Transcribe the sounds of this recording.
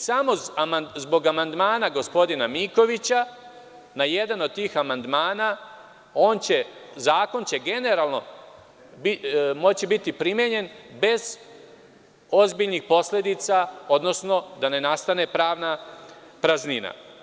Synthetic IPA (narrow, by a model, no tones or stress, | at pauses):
samo̞amazbo̞ɡamand̪maːnaɡo̞spo̞d̪inamiko̞ʋit͡ɕa | naje̞d̪ano̞d̪̚t̪iːxamand̪maːna | o̞ːnt͡ɕe̞zaːko̞nt͡ɕe̞ɡe̞ne̞ɾaːlˠno̞ | bimo̞t͡ɕibit̪ipɾimjeɲe̞nbe̞z | o̞zbiʎnixpo̞sle̞d̪it̪sao̞d̪no̞sno̞d̪ane̞nast̪ane̞pɾaːʋna | pɾaznina̰